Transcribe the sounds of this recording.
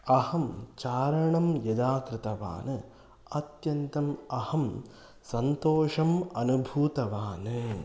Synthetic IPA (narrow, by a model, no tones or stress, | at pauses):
ɐhɐmt͡ʃaːɾɐɳɐmjɐd̪aːkɾɪt̪ɐʋa̰ːnɨ | ɐt̪jɐnt̪ɐmɐhɐm | sɐnt̪oːʂɐmɐnubʱuːt̪ɐʋaːnɨ